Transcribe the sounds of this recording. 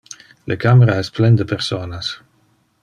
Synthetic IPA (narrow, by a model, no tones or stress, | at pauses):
lʔəkaməɾaɛsplɛnd̪əpeɾsoːnas